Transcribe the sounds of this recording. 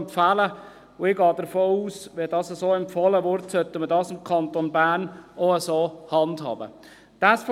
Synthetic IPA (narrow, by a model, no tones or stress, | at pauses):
mfælə | ʊɪɡɑːdəɾfoːuːsʋedɑːsəsoːɛmpfɔləʋʊɾtsœtːəmədɑːsɪmkʰɑnt̪onbæːɾnʔoəsoːhɑndhɑ̰ːb̥ə̰ | d̥æsf